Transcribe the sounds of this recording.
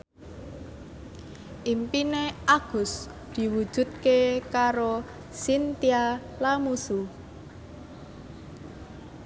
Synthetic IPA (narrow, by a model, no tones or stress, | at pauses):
ʔimpineʔaɡ̥ʊ̤s | d̪̥i̤wud̥ʒ̥ṳt̪̚kekaɾo | sint̪ia | lamusu